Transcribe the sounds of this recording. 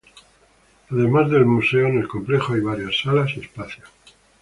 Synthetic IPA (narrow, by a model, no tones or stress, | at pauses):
aðe̞mazðe̞lmuse̞oene̞lko̞mple̞xoajβ̞aɾjasːalasiespaθjo̥